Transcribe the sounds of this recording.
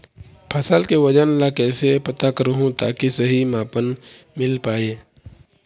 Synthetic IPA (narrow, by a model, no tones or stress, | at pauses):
pʰɐsalkeʋɐd͡ʒənlakɛːsepɐt̪akəɾuɦũt̪a̰ːkisɐɦimaːpənmɪlpaːeː